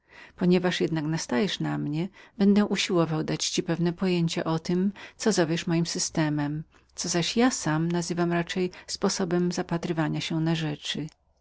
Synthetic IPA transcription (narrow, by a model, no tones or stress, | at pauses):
pɔɲɛvaʂjɛd̪naknast̪ajɛʂnamɲɛbɛnd̪ɛʔuɕiwɔvawd̪at͡ɕt͡ɕipɛvnɛpɔjeɲt͡ɕɛʔɔt̪ɘmt̪sɔzɔvʲjɛʂmɔjimsɘst̪ɛmɛm | t̪sɔzaɕjasamnazɘvamɾat͡ʂɛjspɔsɔbɛmzapat̪ɾɘvaɲaɕɛnaʐɛt͡ʂɘ